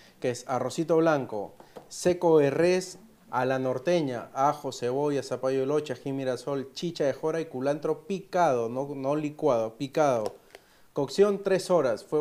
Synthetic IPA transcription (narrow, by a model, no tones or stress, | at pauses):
keesarosit̪oβlaŋko̰sekoeres | alanoɾt̪eɲa̰axoseβojasapajoelot͡ʃaximiɾasolt͡ʃit͡ʃaexoɾaikulant̪ɾopikaðononolikwaðopikaðo | koksjont̪ɾesoɾasfwe